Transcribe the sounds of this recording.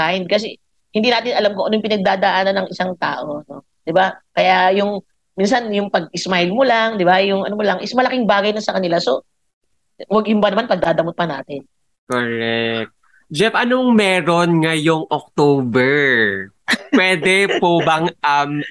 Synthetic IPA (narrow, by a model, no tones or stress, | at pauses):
ajnd̪̚kɐsɛ | hɪnd̪iːnaːt̪ɪnʔɐlamkoʔɐnojʊŋp̬ɪnɐɡ̚d̪aːd̪ɐʔanɐnɐŋʔɪsaŋt̪a̰ːʔo̞no | d̪̥ɪbakɐjajʊŋ | mins̬ɐnjʊŋpɐɡ̚ɪsmajlmolaŋd̪ɪbajʊŋʔɐnomolɐŋʔɛsmɐlɐkɪŋbaːɡɐjnɐsɐkɐnɪlaso̞ | wɐɡjʊmbɐnɐmanpɐɡ̚d̪aːd̪ɐmot̪̚pɐnaːt̪ɪn | koɾɛk̚t̪̚ | d͡ʒɛpʔɐnoŋmɛːɾonŋɐjoŋʔok̚t̪oːbɛɹ | pwɛːd̪ɛpobɐŋʔɐm